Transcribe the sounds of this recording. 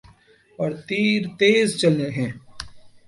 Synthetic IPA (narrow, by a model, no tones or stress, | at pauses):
ɔːɾt̪iːɾt̪eːzt͡ʃɐleɦɛ̃ː